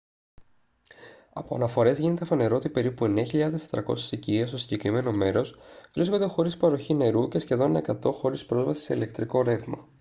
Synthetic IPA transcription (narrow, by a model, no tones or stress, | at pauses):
ɐpo̞ɐ̰nɐfo̞ɾe̞zʝine̞t̪efɐne̞ɾo̞ot̪ipe̞ɾipue̞neɐçiʎɐðest̪e̥t̪ɾɐko̞̰se̥siciest̪o̞siɲɟe̞kɾime̞no̞me̞ɾo̞sv̥ɾiskond̪e̞xo̞ɾispɐɾo̞çine̞ɾuce̞sçe̞ðo̞ne̞kɐt̪o̞xo̞ɾispɾo̞zvɐsi̥seile̞kt̪ɾiko̞ɾe̞θmɐ